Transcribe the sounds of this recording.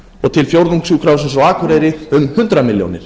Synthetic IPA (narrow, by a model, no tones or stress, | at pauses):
ɔɣt̪ʰɪlfjowɾðuŋksuːkʰɾawsɪnsawaːkʰvʏɾeːjɾɪʏmhʏnt̪ɾamɪljo̰wnɪ̰ɾ̥